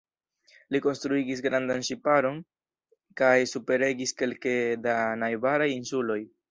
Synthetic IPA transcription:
liko̞nstɾuiɡis̬ɡɾandanʃipaɾo̞n | kajsupe̞ɾe̞ɡiske̞lke̞danajbaɾajinsulo̞j

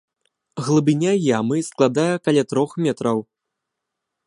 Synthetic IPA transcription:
ɣlˠɨbʲinʲajamɨsklˠad̪ajɐkalʲat̪ɾɔxmʲɛt̪ɾɐw

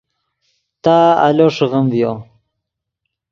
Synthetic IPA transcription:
t̪aa̰loʂɣəmvjo

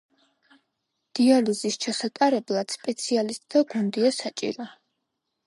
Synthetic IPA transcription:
d̪̥ializist͡ʃʰasat̪ʼaɾɛblˠad̪̥spʼɛt̪sʰialist̪ʼd̪aɡund̪iasat͡ʃʼḭɾa

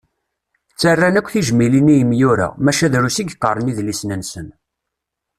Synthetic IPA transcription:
t͡sːərːænækʷːθiʒmilinijəmjuɾæ̰mæʃæðɾusiɡqə̰ɾˤəniðlisnənsən

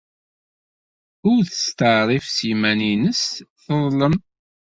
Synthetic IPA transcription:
ʊɾθə̥st̪əʕɾˤifsijmæninəsθəðˤləm

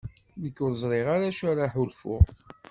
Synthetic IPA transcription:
nəkːʊðzˤɾˤɪʁaɾaʃaɾaħʊlfʊ̰ʁ

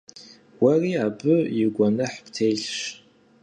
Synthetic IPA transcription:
wariabɨiɡʷanɨħptʰejɬʂ

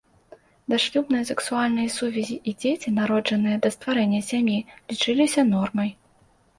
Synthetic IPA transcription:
d̪aʂlʲubnɨjɐsɛksualʲnɨjɐsuvʲɛzʲiʔid͡zʲet͡sʲinaɾɔd͡ʐɐnɨjɛd̪ɐst̪vaɾɛnʲːɐsʲamʲjilʲit͡ʂɨlʲisʲɐnɔrmɐj

